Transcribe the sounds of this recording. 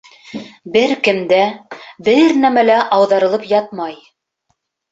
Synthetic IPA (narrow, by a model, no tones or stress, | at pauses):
bɘɾkɘ̆md̪æbɘɾnæmælæʔɑwðɑɾɤ̆lˠɤpjɑt̪̚mɑj